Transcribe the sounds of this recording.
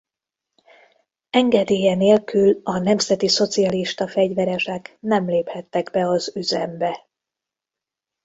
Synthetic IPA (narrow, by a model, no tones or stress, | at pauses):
ɛŋɡɛd̪eːjɛneːlkylɒnɛmzɛt̪iso̞t̪siɒliʃt̪ɒfɛɟvɛɾɛʃɛknɛmleːphɛt̪ːɛɡbɛɒzyzɛmbɛ